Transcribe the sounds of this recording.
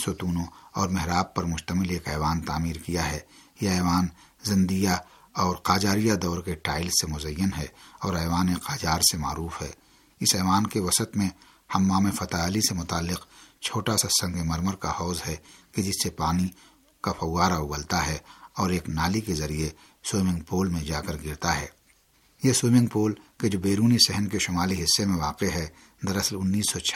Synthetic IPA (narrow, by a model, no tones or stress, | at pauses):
sʊt̪uːnõɔːɾmɛɦɾaːp̚pɐɾmʊʃt̪əmɪleːkɛːʋaːnt̪aːmiːɾkijaɦɛːjeɛːʋaːn | zɐ̃nd̪ija | ɔːɾqaːd͡ʒaːɾijad̪ɔːɾkeʈaːɪlsːemʊzəjːənɦɛɔːɾɛːʋaːneqaːd͡ʒaːɾsema̰ːɾuːfɦɛː | ɪsɛːʋaːnkeʋɐsət̪mẽ | hɐmːamẽfɐt̪aːlisemʊt̪aːlːɪqt͡ʃʰoːʈasasɐ̃ŋɡemɐɾməɾkahɔːzɦɛked͡ʒɪsːepaːni | kafʰɐwaːɾaʊɡəlt̪aɦɛɔːɾeːknaːlikezɐɾie | soːmɪ̃ŋɡpoːlmẽd͡ʒaːkəɾɡɪɾt̪aɦɛː | jesoːmɪ̃ŋɡ̚poːlked͡ʒoːbeːɾuːnisɛɦənkeʃʊmaːliɦɪsːemẽʋaːqeɦɛ | d̪ɐɾɐslʊnːiːsːɔt͡ʃʰ